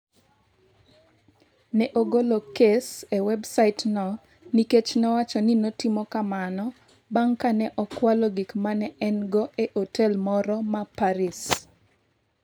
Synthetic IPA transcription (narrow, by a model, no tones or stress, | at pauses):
nɛʔoɡolokesewɛbsaɪtnɔ | niket͡ʃnɔwat͡ʃɔninotimɔkamanɔ | baŋkanɛʔɔkwalɔɡikmanɛɛnɡɔʔeʔotɛlmɔɾɔmapaɾis